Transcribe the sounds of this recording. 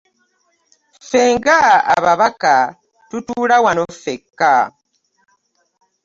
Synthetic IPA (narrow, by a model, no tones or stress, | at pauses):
feːŋɡa̰ːβaβaka | tutuːlawanofekːa